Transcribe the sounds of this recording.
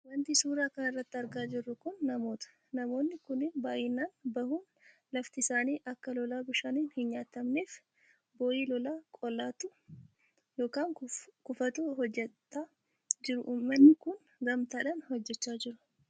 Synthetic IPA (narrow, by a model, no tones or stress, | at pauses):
wɐnt̪isuːɾaːkɐnɐrːɐt̪ːɪɐɾɡaːd͡ʒɪrːʊkʊnːɐmo̞ːt̪ɐ̥ | nɐmo̞ːnːɪkʊnɪnbaːʔɪːnːaːnbɐhuːn | lɐft̪ɪsaːniːʔɐkːɐlɔlaːbʊʃaniːnhɪnɲaːt̪ːɐmneːf | bo̞ːjiːlɔlaːkʼɔlːaːt̪ʊ | jo̞ːkaːŋkʊfɐt̪uːɦɔd͡ʒːɛt̪ːaː | d͡ʒɪɾʊʔmːɐnːɪkʊn | ɡɐmt̪aːᶑɐnhɔd͡ʒːɛt͡ʃːaːd͡ʒɪɾʊ̥